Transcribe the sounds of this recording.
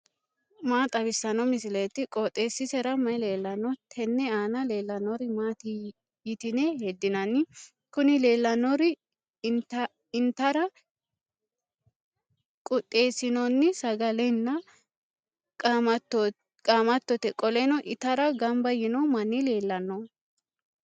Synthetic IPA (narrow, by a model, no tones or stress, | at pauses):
maːt̪ʼɐβɪsːɐnɔmɪsɪlɐjt̪ːɪkʼɔt̪ʼːe̞ːsːɪsɛɾɐmɐjle̞ːlːɐnɔt̪ʰɛnːɛaːnɐle̞ːlːɐnːɔɾɪmaːt̪ɪ | jɪt̪ɪnɛhɛd̪ːɪnɐnːɪ | kʊnɪle̞ːlːɐnɔɾɪ | t̪ɐ | ɪnt̪ɐɾɐ | kʼʊt̪ʼːeːsɪnɔnːɪsɐɡɐlɛnːɐ | kʼamɐt̪ːɔ | kʼaːmɐt̪ːɔt̪ɛkʼɔlɛnɔʔɪt̪ɐɾɐɡɐmbɐjɪnɔmɐnːɪle̞ːlːɐnːɔ